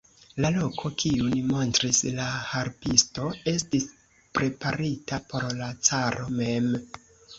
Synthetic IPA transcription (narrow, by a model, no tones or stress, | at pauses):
lalo̞kʰo̞kʰiunimo̞ntɾislahaɾpisto̞e̞stis | pɾe̞paɾitapo̞ɾlat͡saɾʔo̞me̞m